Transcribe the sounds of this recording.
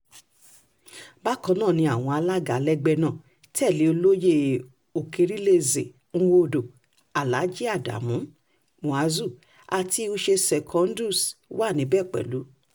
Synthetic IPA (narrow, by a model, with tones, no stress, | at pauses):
ba˦kɔ̃˧nãː˦˨nĩ˧a˨w̃ɔ̃˧a˧la˦ɡa˨˦lɛ˦ɡ͡bɛ˧nãː˦˨ | tɛ˦˨li˨˦o˧lo˦je˧˨ | o˨ke˨˧ɾi˦le˧ze˨ | ŋ̩˦˧wo˧˨do˨ | a˨la˨˦d͡ʒi˦a˦˨da̰˨mũ˨˦ | mũ˨a˨˦zu˦˨ | a˨ti˧˦o˧ʃe˧sɛ˨kʰɔ̃˨˧˦n˦du˦˨swa˦˨nĩ˨˦bɛ˦˨k͡pɛ̰˨lu˨˦